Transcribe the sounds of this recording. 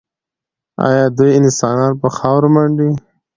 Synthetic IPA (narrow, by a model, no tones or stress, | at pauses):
ɑ̰jɑd̪ujɪnsɑnɑnpəxɑwɾmaɳɖi